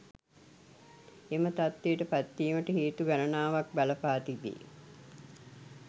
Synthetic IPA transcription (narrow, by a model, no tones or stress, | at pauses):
emət̪at̪ːeːʈəpat̪ːiːməʈəheːt̪uɡænənaːʋak̚baləpaːt̪ibḛ